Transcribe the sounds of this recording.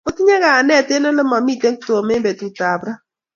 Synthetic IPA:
o˦ti˦ɲe˦ɣa˨a˨nɛ˦˨te˦no˦lʊ˦ma˨mi˦˨te˦to˨o˨me˦be˨tu˨ta˨bɾa˦

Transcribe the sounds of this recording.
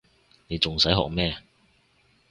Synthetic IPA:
ne˨˧jt͡sʊ˨ŋsɐ˨˥jɦɔ̰ː˨k̚mɛː˥

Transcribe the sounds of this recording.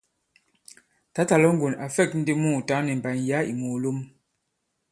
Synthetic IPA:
ta˨˦ta˨lɔ˦ŋ̩˦ɡu˨na˨fɛ˦˨k̚n̩˦di˦muː˦˨ta˨˦nɛ˨m˨ba˨nja˨˦ḭ˨mo˨lo˦m

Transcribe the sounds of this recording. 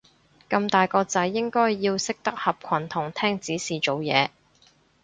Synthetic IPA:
kɐ˧mt̪aː˨jkɔː˧t͡sɐ˨˥jːɪ˥ŋkɔː˥jːiː˧wsɪ˥k̚t̪ɐ˥k̚hɐ˨p̚kʰɐ˨˩nt̪ʰʊ˨˩ŋt̪ʰɛː˥ŋt͡siː˨˥siː˨t͡ʃo˨wjɛ̰ː˨˧

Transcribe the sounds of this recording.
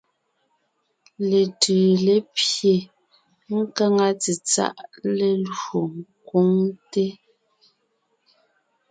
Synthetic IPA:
le˨tʉː˨le˦pje˨ | ŋ̩˦ka˦ŋa˦t͡se˨t͡sa̰˦˨ʔle˨lɰo˨ŋ˨kwo˦ŋte˦

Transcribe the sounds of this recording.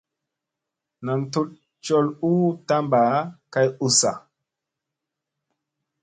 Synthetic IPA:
na˨mtu˦t̚ | t͡ʃɔ˦lu˦ta˦mba˨˦ka˦ju˨sa̰˨

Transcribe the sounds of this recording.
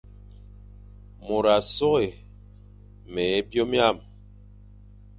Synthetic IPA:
mo˨ɾa˨sɔ˦ɣe˨ | mɛ˨˦bjo˦mja˦˨m

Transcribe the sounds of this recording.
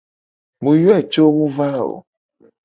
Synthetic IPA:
mũ˨jo˦ɛ˦˨t͡ʃo˦mũ˦va˦o̰˨

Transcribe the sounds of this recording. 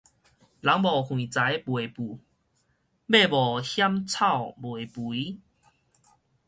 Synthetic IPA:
la˨˦ŋbɔ˨˩kʰwĩ˨˩t͡sa˨˦jbwe˨˩pu˨˩ | be˥˧˨bɔ˨˩hja˦mt͡sʰa˥˨wbwe˨˩pu˨i˦

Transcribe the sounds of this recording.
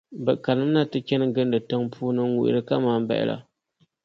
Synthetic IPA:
bɨ˨ka˨lɨ˦m˦na˦tɨ˦t͡ʃɛ˦nɨ˦ɡɨ˦ndɨ˨tɨ˦ŋpʰuː˦nɨ˦ŋ˦wṵ˨ʔɪ̰˨ɾɨ˦ka˦maː˦˨m˦ba̰˦˨ʔɪ̰˨lʔa̰˨

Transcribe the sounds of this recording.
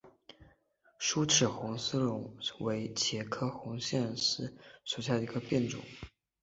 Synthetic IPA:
ʂu˥ʈ͡ʂʰɻ̩˨˩xʊ˧˥ŋsɹ̩˥lʊ˧˥ŋwe˧˥ɪt͡ɕʰjɛ˧˥kʰɤ˥xʊ˧˥ŋɕjɛ˥˧nsɹ̩˥ʂwɔ˨˩ɕja˥˩d̪ə˩i˧˥ɡə˧pjɛ˥˩nʈ͡ʂʊ̰˨˦ŋ

